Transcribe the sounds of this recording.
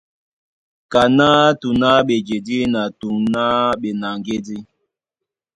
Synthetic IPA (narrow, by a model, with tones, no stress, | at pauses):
ka˨na˦tu˨na˦ɓe˨d͡ʒe˨di˦na˨tu˨ŋna˦ɓe˨na˨ŋɡe˦di˦